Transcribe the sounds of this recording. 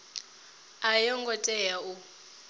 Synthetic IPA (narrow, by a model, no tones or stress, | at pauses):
ajɔŋɡɔtʼɛjau